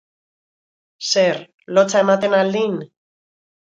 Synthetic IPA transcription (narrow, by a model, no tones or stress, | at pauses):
seɾ | lo̞t͡sae̞mat̪e̞nald̪in